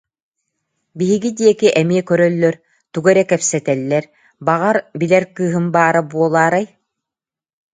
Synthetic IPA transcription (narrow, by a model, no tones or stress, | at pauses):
biɦiɡid̪iɛkiʔɛmiɛkœɾœlːœɾ | t̪uɡɛɾɛkɛpsɛt̪ɛlːɛɾ | baʁaɾbilɛɾkɯːɦɯmbaːɾabuɔlˠaːɾaj